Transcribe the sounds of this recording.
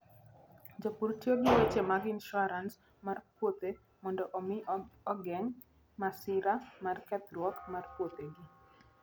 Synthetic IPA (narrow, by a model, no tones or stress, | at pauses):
d͡ʒopurtjoɡiwet͡ʃemaɡɪnʃɔɾans | marpwot̪e | mɔndɔʔomiɔɡɛŋ | masɪɾamarkɛt̪rwɔkmarpwot̪eɡi